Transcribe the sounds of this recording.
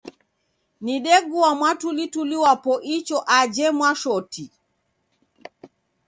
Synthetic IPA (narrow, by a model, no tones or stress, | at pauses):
niɗɛɡuwamwatulituliwapɔʔit͡ʃɔʔad͡ʒɛmwaʃɔti